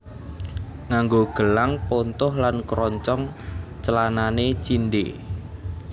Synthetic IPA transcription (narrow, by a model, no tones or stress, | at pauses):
ŋaŋɡoɡ̥əlaŋpont̪ʊhlankɾɔɲt͡ʃɔŋt͡ʃəlananet͡ʃinɖḛ